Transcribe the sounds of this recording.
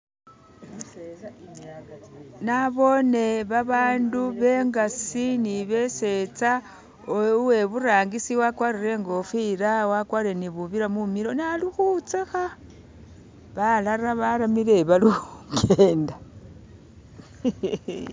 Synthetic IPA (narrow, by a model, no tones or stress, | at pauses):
naβo̞ne̞βaβaːnduβe̞ŋɡasiniβe̞se̞t͡sa | ouwe̞βuɾaːŋɡisiwakwaɾiɾe̞ŋɡo̞fiɾawakwaːɾie̞niβuβiɾamumiɾo̞nalixut͡sexa | βalaɾaβaɾamile̞βalukʰeːnda